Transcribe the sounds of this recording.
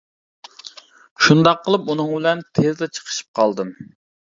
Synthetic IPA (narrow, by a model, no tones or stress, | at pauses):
ʃund̪ɑqːəlˠɨpunɨŋbɪlɛnt̪ʰezd̪ɛt͡ʃʰə̥qʰə̥ʃi̥p̚qʰɑlˠd̪ɨm